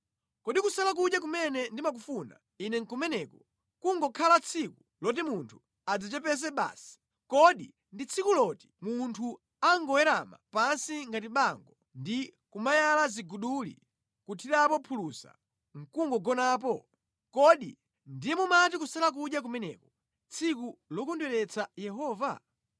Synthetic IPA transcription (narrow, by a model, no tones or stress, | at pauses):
kɔɗikusalak̬uɗjak̬umɛnɛndimak̬ufuna̰ | inɛŋkumɛnɛːkɔ | kuŋɡɔkʰalat͡sʰiku | lɔt̬imuntʰu | ad͡zat͡ʃɛpɛs̬ɛɓa̰ːsi̥ | kɔɗi | ndit͡sʰikulɔti̥muntʰu | aŋɡɔwɛɾama̰pansiŋɡatiɓaŋɡɔ | ndikumajalaziɡuɗulḭ | kutʰiɾapɔpʰulusa̰ | ŋ̩kuŋɡɔɡɔnaːpɔ | kɔɗḭ | ndijɛmumatikusalak̬uɗjak̬umɛnɛkɔ | t͡sʰikulɔkundwɛɾɛt͡sʰajɛɦɔːva̰